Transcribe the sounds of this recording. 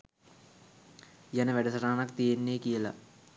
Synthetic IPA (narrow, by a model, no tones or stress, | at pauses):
jɐnɐʋeɖɐsɐraːnɐk̚t̪ijenːeːkijɐlɐ̰